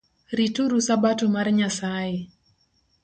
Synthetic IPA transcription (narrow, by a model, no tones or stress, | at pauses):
ɾituɾusabatumarɲasajɛ